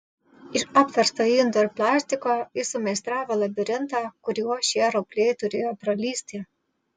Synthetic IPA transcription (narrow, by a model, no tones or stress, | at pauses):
ɪʃɐpʲʋʲɐɾst̪ɐjind̪oɪɾplˠɑːsʲt̪ʲɪkoːɪsʊmʲɛst̪ɾɑːʋɐlˠɐbʲɪɾʲɪnt̪ɑːkʊɾʲuɔʃʲiɛɾɔpʲlʲeːjt̪ʊɾʲeːjoːpɾɐlʲiːsʲt̪ʲɪ